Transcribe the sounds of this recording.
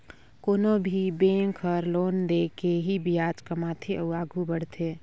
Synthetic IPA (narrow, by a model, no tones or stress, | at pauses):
koːnobʱibẽŋkʰəɾloːnd̪ekeɦibijaːt͡ʃkamaːt̪ʰiʔəuaːɡʱubəɽ̤t̪ʰe